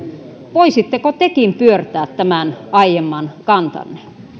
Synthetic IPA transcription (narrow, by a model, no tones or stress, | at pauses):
ʋoisit̪ːekot̪ekimpyørt̪æːt̪tæmænɑijemːɑnkɑnt̪ɑ̰nːe